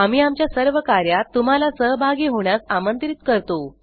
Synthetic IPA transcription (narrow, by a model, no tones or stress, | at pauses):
am̤iːamt͡ɕjasəɾʋəkaɾjat̪ːum̤alasəɦəbʱaɡiɦoɳ̃jasamənt̪ɾit̪kəɾt̪o